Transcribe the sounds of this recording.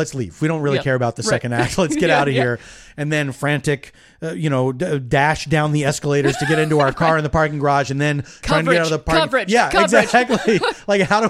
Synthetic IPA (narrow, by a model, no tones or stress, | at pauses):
lɨtslḭvwiɾõʊ̃nt̚ɹɪlˠikʰɛɹɨbaʊt̪̚ðɨsɛkɨ̃ndæk̚slɨtsɡ̥ɛɾaʊɾʌhiɹ | ɨ̃nðɨ̃nfɹæ̃ntɪk | ʌjɨñoʊʌdæʃd̥ãʊ̃nðiɛskəleɪɾə˞z̥tʰɨɡɛɾɪ̃ntuaʊə˞kʰɑɹɨ̃nðəpʰɑɹkɪ̃ŋɡə˞ɑʒɨ̃nðɨ̃ntʰɹaɪɪ̃ŋtɨɡɛɾaʊɾʌvðəpʰɹɑɹjæɪɡzæk̚tˡlilaɪkhaʊɾə